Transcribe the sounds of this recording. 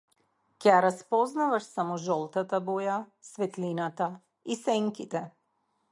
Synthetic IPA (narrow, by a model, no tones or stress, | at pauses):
cɛjaɾaspɔznavaʃsamɔʒɔlˠt̪at̪abɔjasvɛt̪linat̪a | isɛŋkit̪ɛ